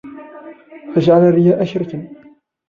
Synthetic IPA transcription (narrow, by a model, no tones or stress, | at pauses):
fad͡ʒʕalarɪjaːʔaʃɾt̪an